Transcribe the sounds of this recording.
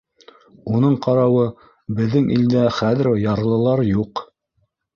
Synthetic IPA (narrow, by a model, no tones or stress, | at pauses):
unɤɴqɑɾɑwɤ | bɘ̆ðːɘŋʔḭld̪æχæðɘ̆ɾjɑɾlˠɤ̆lˠɑɾjuq